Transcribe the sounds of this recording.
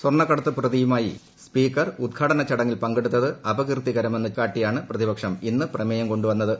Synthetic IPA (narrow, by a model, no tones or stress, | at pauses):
sworɳɐkːɐɽɐt̪ːɨprɐðijumaːjḭ | spiːkːɐrud̪̚kʰaɽɐnɐt͡ɕːɐɽɐŋːilpɐŋɡeɽut̪ːɐðɨɐbɐɣrt̪iɣɐɾɐmenːɨkːaːʈːijaːɳɨprɐðibɐkʂɐminːɨprɐmɐjɐmko̞ɳɖuʋɐnːɐðɨ